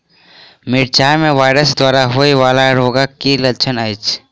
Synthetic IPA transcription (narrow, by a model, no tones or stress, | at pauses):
mɪɽt͡ʃaːmẽʋaːɪɾəsd̪waːɾaɦoiʋaːlaɾoːɡakilɐt͡ʃʰənajt͡ʃ